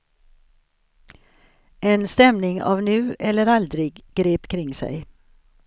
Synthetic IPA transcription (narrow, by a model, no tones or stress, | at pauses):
ʔeːnst̪ɛmnɪŋɑ̰ːʋnʉːʔɛləɾɑld̪ɾɪɡɡ̥ɾeːpkʰɾɪŋsæ̰ɪ